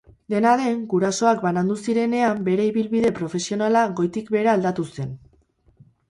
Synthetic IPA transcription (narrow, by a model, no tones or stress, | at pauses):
d̪e̞naðe̞ŋɡuɾaso̞akbanand̪usiɾe̞ne̞ambe̞ɾe̞iβilβiðe̞pɾo̞fe̞sio̞nalaɣo̞jt̪ikbe̞ɾaːld̪at̪use̞n